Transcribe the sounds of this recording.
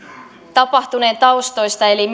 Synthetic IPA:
t̪ɑpɑht̪uneːnt̪ɑust̪o̞jst̪ɑelim

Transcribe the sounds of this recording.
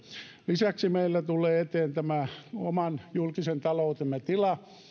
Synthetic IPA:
lisæksimeilːæt̪ulˑeːet̪eːnt̪æmæomɑnjulkisent̪ɑlout̪emːet̪ilɑ

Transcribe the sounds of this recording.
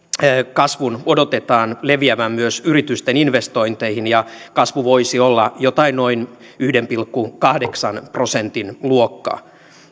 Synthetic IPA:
kɑsʋunodot̪et̪ɑːnleʋiæʋæmmyøsyrit̪yst̪eninʋest̪oint̪eihinjɑkɑsʋuʋoisiolːɑjot̪ɑinnoin | yhdempilkːukɑhdeksɑnpro̞sent̪inluokːɑ̰ː

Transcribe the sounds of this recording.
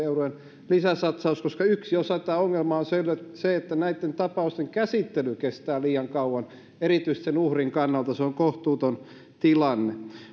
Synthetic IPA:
eurojen | lisæsɑt̪sɑuskoskɑyksiosɑt̪æːoŋːelmɑonseleseet̪ːænæit̪ːent̪ɑpɑˑust̪eŋkæsit̪ːelykest̪æːliːɑŋkɑuwɑn | eɾit̪yist̪senuhriŋkɑnːɑlt̪ɑseoŋkoht̪uːt̪on | t̪ilɑnːe

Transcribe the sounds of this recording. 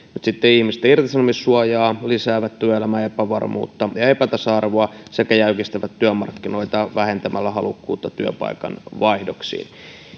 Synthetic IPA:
mut̪sit̪ːeihmist̪æirt̪isɑnomissuɑjɑːlisæːʋæt̪t̪yøelæmæepæʋɑ̰rmṵːt̪ːɑjɑe̞pæt̪ɑsɑɑrʋoɑsekæjæykist̪eʋæt̪tyømɑrkːino̞it̪ɑʋæhe̞nt̪æmælːæhɑlukːuːt̪ːɑt̪yø̰pɑ̰ikɑ̰nʋɑihdoksḭːn

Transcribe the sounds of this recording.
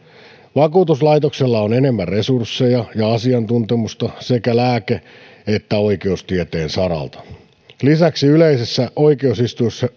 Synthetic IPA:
ʋɑkuːt̪uslɑit̪okselːɑonene̞mːærresursːejɑjɑɑsiɑnt̪unt̪emust̪ɑsekælæːke | et̪ːæoike̞ust̪iet̪e̞ːnsɑɾɑ̰lt̪ɑ̥ | lisæksiyleisesːæʔo̞ikeusist̪uisːɑ

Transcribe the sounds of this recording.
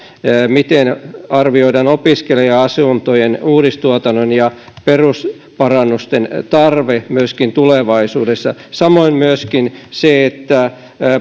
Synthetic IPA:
mit̪enɑrʋioidɑnopiskeliɑɑsunt̪ojenuːɾist̪uɑt̪ɑnːonjɑ | perus | pɑrɑnːust̪ent̪ɑrʋemyøskint̪uleʋɑisuːdesːɑsɑmoimmyøskinseet̪ːæ

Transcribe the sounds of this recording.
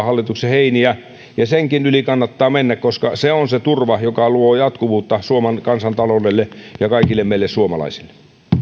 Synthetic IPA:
hɑlːit̪ukseheiniæ | jɑseŋkinylikɑnːɑt̪ːɑːmenːækkoskɑseonset̪urʋɑjokɑluoːjɑt̪kuʋuːt̪ːɑsuomɑnkɑnsɑnt̪ɑlolelːejɑkɑikilːemeˑilːessuomɑ̰lɑ̰isilːˑe̥

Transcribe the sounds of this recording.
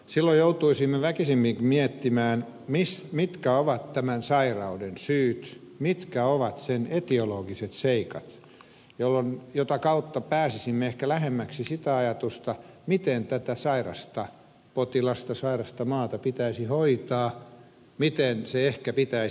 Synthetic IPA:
silːojjout̪uisimːeʋækisimːiŋkmiɛt̪ːimæːn | mismit̪kæoʋɑt̪t̪æmænsɑirɑudensyːt̪mit̪kæoʋɑt̪senet̪ioloːɡ̥iset̪seikɑ̰t̪ | jolːonjot̪ɑkɑut̪ːɑpæːsisimːeehkælæhemːæksisit̪æɑjɑt̪ust̪ɑ | mit̪ent̪æt̪æsɑirɑ̰st̪ɑ | pot̪ilɑst̪ɑsɑirɑst̪ɑmɑːt̪ɑpit̪æisihoit̪ɑː | mit̪enseehkæpit̪æi

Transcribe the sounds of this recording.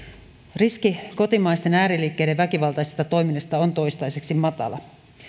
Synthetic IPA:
riskiko̞t̪imɑjst̪e̞næːɾiliːkːejdeʋːækiʋɑlt̪ɑjsest̪ɑt̪o̞jminːɑst̪ɑont̪o̞jst̪ɑjseksimɑt̪ɑ̰lɑ̰

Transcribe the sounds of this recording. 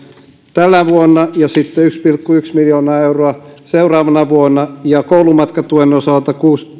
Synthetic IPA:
t̪ælːæʋuonːɑjɑsit̪ːeykspilkːuyksmiljoːnɑːeuroɑseurɑːʋɑnɑʋuonːˑɑjɑkoulumɑt̪kɑt̪uenosɑlt̪ɑkuːs

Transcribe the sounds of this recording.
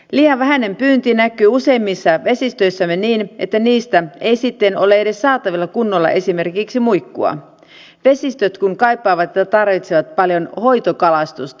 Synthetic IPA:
liːjɑʋʋæɦæne̞mpyːnt̪inækːˑyːuse̞imːisːɑʋe̞sist̪ø̞jsːæmːeniːnʔet̪ːæniːst̪æe̞jsit̪ːeno̞leede̞sːɑːt̪ɑʋilːɑkunːolːɑ̰ʔe̞sime̞rkiksimujkːuɑ̰ | ʋe̞sist̪øt̪kuŋkɑjpːɑːʋɑt̪jet̪ːɑt̪ɑrʋit̪seʋɑt̪pɑljo̞nho̞jt̪okɑlɑst̪ust̪ɑ̥

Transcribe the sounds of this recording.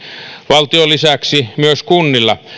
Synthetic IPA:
ʋɑlt̪iolisæksimyøskunːilːɑ̰

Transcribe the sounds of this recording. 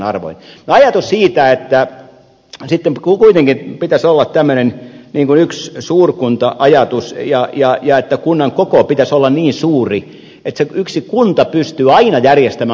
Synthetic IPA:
nɑrʋo̰innoɑjɑt̪ussiːt̪æet̪ːæ | sit̪ːemkkuit̪eŋkipit̪æsolːɑt̪t̪æmːønenniːŋkunykssuːrkunt̪ɑʔɑjɑt̪usjɑjɑjɑet̪ːækunːɑŋkokopit̪æsolːɑnniːnsuːri | et̪seyksikunt̪ɑpyst̪yːɑinɑjærjest̪æmæ

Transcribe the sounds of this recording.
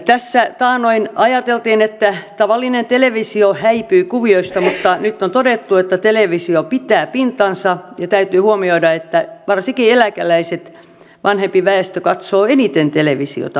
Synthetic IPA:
t̪æsːæt̪ɑːnoinɑjɑt̪elt̪iːnet̪ːæt̪ɑʋɑlːinent̪eleʋisiohæipyikuʋioist̪ɑmut̪ːɑnyt̪ːont̪odet̪ːuet̪ːæt̪eleʋisiopit̪ˑæːpint̪ɑnsɑjɑt̪æyt̪yːhuomioidɑet̪ːæʋɑrsikielækælæiset̪ | ʋʔɑnhempiʋæest̪økɑt̪soːenit̪ent̪eleʋisḭo̰t̪ɑ

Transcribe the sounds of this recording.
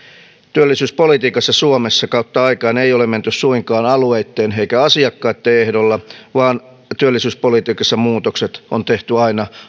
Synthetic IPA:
t̪yælːisyːspolit̪iːkɑsːɑsuomesːɑkɑut̪ːɑɑikɑːneijolement̪yssuiŋkɑːnɑlueit̪ːeːneikæɑsiɑkːɑːt̪ːeehdolːɑʋɑːn | t̪yølːisyːspolit̪iːkɑsːɑmuːt̪okset̪ont̪eht̪yɑinɑ

